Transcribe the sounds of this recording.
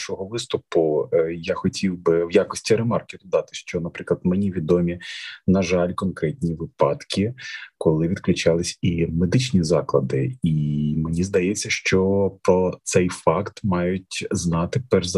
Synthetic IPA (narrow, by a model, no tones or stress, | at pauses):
ʃɔɦɔʋɪst̪ʊpʊjaxɔtʲʰiwbɪwjakɔsʲtʲiɾemɑrkʲɪd̪ɔd̪ɑt̪ɪʃt͡ʃɔnɐpɾɪklˠɐd̪mɛnʲiʋʲid̪ɔmʲinɐʒɑlʲkɔnkɾɛt̪ʲnʲiʋɪpɑt̪kʲikɔlˠɪʋʲid̪klʲʊt͡ʃɑlˠɪsʲimed̪ɪt͡ʃnʲizɑklˠɐd̪ɪ̰imɪnʲizd̪ɐjet͡sʲːɐʃt͡ʃɔpɾɔt̪sɛjfɑkt̪mɑjʊt̚ʲznɑt̪ɪpɛrz